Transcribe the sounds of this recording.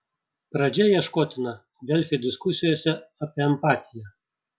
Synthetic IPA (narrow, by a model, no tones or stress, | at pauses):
pɾɐd͡ʒʲɛjɛʃkoːt̪ʲɪnɐ | d̪ʲɛlʲfʲɪd̪ʲɪskʊsʲɪjoːsʲɛɐpʲiɛɛmpaːt̪ʲɪjɛ